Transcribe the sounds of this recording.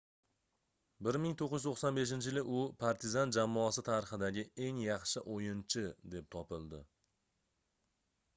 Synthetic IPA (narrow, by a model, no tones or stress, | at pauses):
bɪɾmɪŋt̪ʰoqːɪzɪt̪oχsanbe̞ʃ̬ɪnt͡ʃʰɪjɪlɪʔʊpʰaɾt̪ʰɪzand͡ʒamːɒasɪt̪ʰaɾɪχɨd̪aɡʲɪe̞ŋjɑχʃɪʔojɪnt͡ʃʰɪd̪e̞p̚t̪ʰɒpɪlˠd̪ɪ